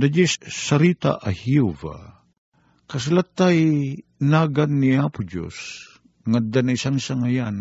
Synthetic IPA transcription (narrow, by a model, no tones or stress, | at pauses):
d̪ad͡ʒisːɐɾit̪a̰ʔahjuva̰ | kɐs̬lat̪ːajnaːɡanːiaːpʊd͡ʒo̰s | ŋad̪anaɪsaŋsaŋajan